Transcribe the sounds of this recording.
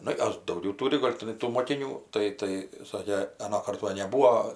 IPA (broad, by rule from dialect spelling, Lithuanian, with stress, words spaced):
ˈnʊ ˈjoːs dɐʊˈɡʲɛʊ ˈtuːrʲɪ ˈɡoːlʲ tʲɪˈnɐɪ tuː moːkʲɪˈnʲuː ˈtɐɪ tɐɪ ˈsɑːkʲeː ɐˈnoːkɐrt ˈʋɐ nʲɛˈbuːoː